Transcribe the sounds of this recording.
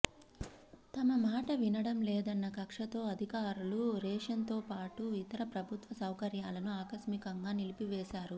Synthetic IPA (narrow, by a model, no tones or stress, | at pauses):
t̪ɐmɐmaːʈɐʋinɐɽɐmlɛːd̪ɐnːɐkɐkʂɐt̪o̞ːɐd̪ʱikaːɾuluɾɛːʂɐnt̪o̞ːpaːʈuit̪ɐɾɐpɾɐbʱut̪ʋɐsɐwkɐɾjaːlɐnuaːkɐsmikɐŋɡaːnilipiʋɛːʃaːɾu